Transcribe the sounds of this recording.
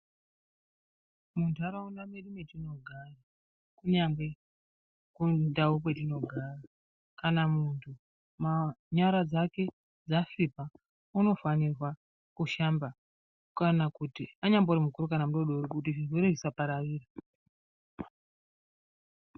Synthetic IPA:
mundʱaɾaunameɗumetino̞ɡʱara | kuɲambe̞ | kudawupwe̞tino̞ɡʱaːra | kanamuntʰu | maɲaɾad͡zake̞ | d͡zasipa | uno̞fanirwa | kuʃamba | kanakutiaɲambourimukuɾukanamuɗoɗourikut̬iʐiʐoɾeʐisapaɾaʋiːra

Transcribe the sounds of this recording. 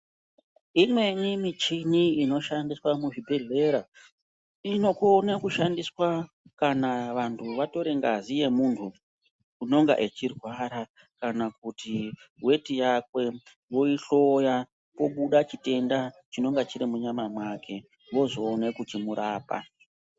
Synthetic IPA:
imwe̞ɲimit͡ʃiniino̞ʃandiswamuʐibʱe̞ɮe̞ɾa | ino̞konekuʃandiswa | kanaʋantʰuʋato̞ɾeŋɡazije̞muntʰu | uno̞ŋɡa̰ʔe̞t͡ʃirwaɾa | kanak̚uti | we̞tijakwe̞ | ʋo̞iɬo̞ja | po̞ɓuɗat͡ʃite̞ndat͡ʃino̞ŋɡat͡ʃiɾimuɲamamwakʰe̞ | ʋo̞zo̞ːnekutimuɾaːpa̰

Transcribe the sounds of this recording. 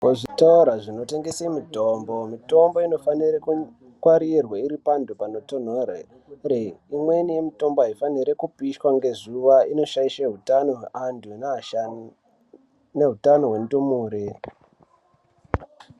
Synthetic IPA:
koʐitauɾaʐino̞te̞ŋɡeseimuto̞ːmbo̞mito̞mbo̞ino̞fanireku | kwaɾirwaiɾipandʱupano̞ton̤ore | reimwe̞nije̞mito̞mboaifaniɾekupiʃwaŋɡe̞zuʋaino̞ʃaiʃeɦutanoɦeʔanduna | neɦutanoɦwe̞ndumuːɾe

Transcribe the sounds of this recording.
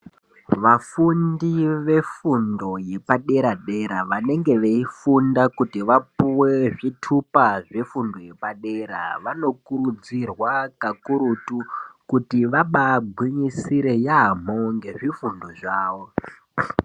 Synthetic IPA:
ʋafundiʋe̞fundo̞je̞paɗe̞ɾaɗe̞ɾaʋane̞ŋɡe̞ʋeifundakutiʋapuwe̞ʐitʰupaʐe̞fundo̞je̞paɗe̞ɾa̰ʋano̞kuɾud͡zirwakakuɾutukutiʋaɓaɡʱwiɲisiɾe̞jam̤oŋɡe̞ʐifundo̞ʐaːwo̞

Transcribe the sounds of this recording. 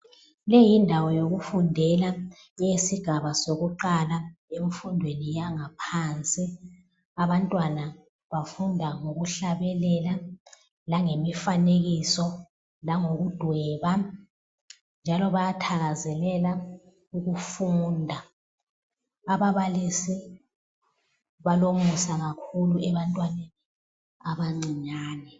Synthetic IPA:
lejindʱawɔjoɣufundʱɛla | esiɡ̥ʱaβasoɣuǃalaeɱfundʱwenijaŋapʰant͡sʼi | aβantʼwana | βafundʱaŋoɣuɬaβɛlɛla | laŋemifaneɣisɔ | laŋoɣud̥ʱwɛːβa | nd͡ʒʱalɔβajatʰaɣazɛlɛla | uɣufuːndʱa | βaβalisi | βalomusaɣakʰuluɛβantʼwanei | aβaŋ͡ǀiɲaːnɛ

